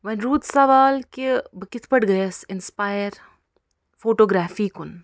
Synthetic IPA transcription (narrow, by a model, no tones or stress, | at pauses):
ʋɐnɾuːd̪sɐʋaːlkibʱkɪt̪ʰpɐʈɡɐjesɪnspaːjəɾ | foːʈoːɡɾaːfiːkʊn